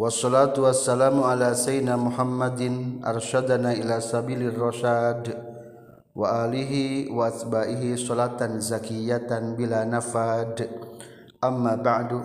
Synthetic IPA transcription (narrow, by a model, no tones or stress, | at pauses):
wɑsˤːɔlaːt̪uwasːalaːmuʔalaːsajnaːmʊħamːad̪ɪnʔɑ̰rˤʃad̪anaːʔilaːsabiːlɪrːɑʃaːd̪ | wʔaʔaːlɪɦiwaʔat̪baːʔɪɦisɔlat̪anzakɪjat̪anbilanafaːd̪ | ʔamːaːbaʕd